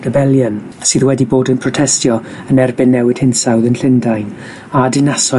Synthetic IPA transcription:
r̥əbɛlˠjən | siːðwɛdiboːdənpʰrɔtʰɛstjɔ | ənɛrbɪnːɛwɪd̥hɪnsawðənɬɪndajn | adɪnasɔ

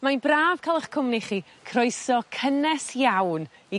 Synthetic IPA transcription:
manbraːv̥kʰalˠəχkʰʊmniχiː | kʰrɔɨsɔkʰənɛsjawni

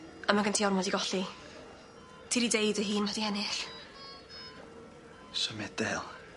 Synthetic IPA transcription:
amaɡəntʰiɔrmɔdiɡɔɬi | tʰiːɾidejdəɦiːnmadianɪɬ | səmɛd̥ɛlˠ

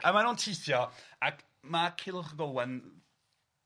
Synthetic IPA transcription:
amanuntʰɪθjɔakʰ | makʰɪlˠrɡɔwɛn

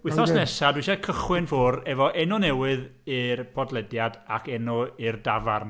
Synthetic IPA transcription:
wɪθɔsnɛsadwiʃakʰəχwɨnfʊrɛvɔʔɛnɔnɛwɨðɨrbʰɔdlˠɛdjadakʰɛnɔirdavarn

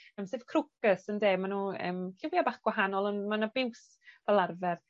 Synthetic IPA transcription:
əmsev̥kʰrʊkəsəndeːmanuːə̰ːmkʰɪwjabaːχɡ̥waɦanɔlˠənmanabɪws | vɛlˠarvɛr

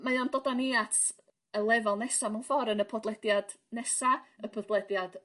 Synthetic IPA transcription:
majɔndɔdaniatʰ | əlˠɛvalˠnɛsamanfɔɾənəpʰɔdlˠɛdjad̥ | nɛsaəpʰɔdlˠɛdjad̥

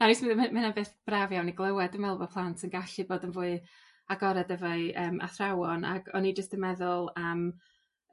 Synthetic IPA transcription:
naɾismɨðmɪnanbeːθb̥ravjawniɡlˠəwɛdənmɛlˠbɔpʰlˠantʰənɡaɬɨboːdənvuːɨ | aɡɔɾɛdəvɛɨəːmʔa̰θrawɔna̰ɡ̥ɔ̰nid͡ʒəstəmɛðʊlˠam

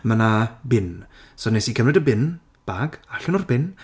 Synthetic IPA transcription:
mənabɪnsɔnesikʰəmrɛdəbɪn | b̥aɡaɬɔnʊrbɪn

